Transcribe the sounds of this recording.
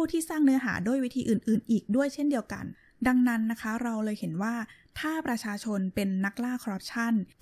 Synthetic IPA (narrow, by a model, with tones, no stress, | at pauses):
pʰuː˥˩t̪ʰiː˥˩saː˥˩ŋnɯ˦ɐɦa̰ː˩˦du˥˩əjwi˦t̪ʰiː˧ʔɯː˨˩nʔɯː˨˩nʔiː˨˩k̚du˥˩əjt͡ɕʰe˥˩ndi˧əwka̰˧n | da˧ŋna˦˥nːa˦˥kʰa˦˥ɾa˧wlɤː˧jhe˩˦nwaː˥˩ | t̪ʰaː˥˩pɾa˧t͡ɕʰaː˧t͡ɕʰo˧npe˧nːa˦˥k̚laː˥˩kʰɾɔː˦˥p̚t͡ɕʰa˥˩n